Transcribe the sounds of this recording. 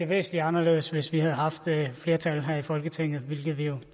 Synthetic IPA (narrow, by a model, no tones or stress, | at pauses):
e̝ɐʋḛːsn̩liɑ̈nɐle̝̰ːðˠsʋe̝sʋihæð̩ˠɦɑ̈fd̥fle̝ːɐt͡sʰælɦæɐifɒ̽lɡ̥ət͡sʰeŋ̰ð̞̩ˠʋe̝lɡ̥ð̞̩ˠʋijo̝